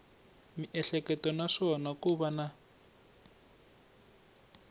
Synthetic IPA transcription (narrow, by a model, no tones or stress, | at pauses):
miʔɛɬɛkɛtɔnaʂɔnakuβana